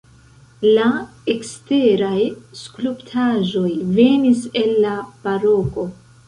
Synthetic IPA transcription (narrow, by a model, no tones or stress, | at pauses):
laekste̞ɾajskluptʰaʒo̞jve̞nise̞lːapaɾo̞ko̞